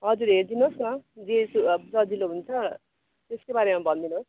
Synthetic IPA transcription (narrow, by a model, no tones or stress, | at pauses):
ɦʌd͡zuɾɦeɾd̪inosnʌd͡zesud͡zʌd͡ziloɦunt͡sʰʌ | t̪eskobaɾemabʱʌnd̪inos